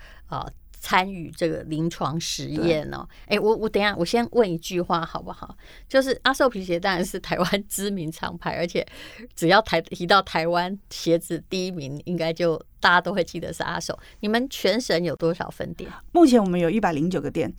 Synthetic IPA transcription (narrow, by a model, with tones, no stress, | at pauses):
ə̰˧˩ | t͡sʰa˥ny̰˨˩ʈ͡ʂɤ˥˩ɡə̰˩li˧˥ŋʈ͡ʂʰwɑ˧˥ŋʂɻ̩˧˥jɛ˥˩nə̰˩e˥˩ɪwɔ˨˩wɔ˧˦˥t͡sə˨˩njɑ˥˩ŋwɔ˨˩ɕjɛ˥nwʔə˥˩ni˧˥t͡ɕy˥˧xwa˥˩xɑ˨˩ʊbu˦xɑ˨˩˦ʊ | t͡ɕjo˥˧ʊʂ̬ɻ̩˥˩ʔa˥ʂo˥˩ʊpʰi˧˥ɕ̬jɛ˧˥t̪ɑ˥ɻa˧˥nʂɻ̩˥˩t̪ʰa˧˥ɪwa˦˥nʈ͡ʂɻ̩˥mi˧˥ŋʈ͡ʂʰɑ̰˧˥ŋpʰa˧˥ɪʔə̰˞˧˥t͡ɕʰjɛ̰˨˩˦ʈ͡ʂɻ̩˨˩jɑ˥˩ʊt̪ʰa˧ɪt̪ʰi˧˥t̪ɑ˥˩ʊt̪ʰa˧˥ɪwa˥nɕjɛ˧˥ʈ͡ʂɻ̩˥˩t̪i˥˩i˥˩mi˧˥ŋi˥ŋka˥ɪt͡ɕjo˥˧ʊt̪a˥˩t͡ɕa˥˩t̪o˥ʊxwe˥˧ɪt͡ɕi˥˩d̪ə̰˨˦ʂɻ̩̰˥˧a̰˥ʂo˥˩ʊni˨˩mə˨˦nt͡ɕʰɥɛ˧˥nʂə˧˥njo˨˩ʊt̪wɔ˥ʂɑ̰˨˩ʊfə̰˥nt̪jɛ̰˨˩˦mu˥˩t͡ɕʰjɛ˧˥nwɔ˨˩mə˦njo˨˩ʊi˥˩pa˨˩ɪli˧˥ŋt͡ɕjo˨˩ʊɡə˦t̪jɛ˥˩n